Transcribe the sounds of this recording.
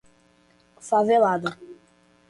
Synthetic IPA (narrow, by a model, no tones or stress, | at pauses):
favelad̪a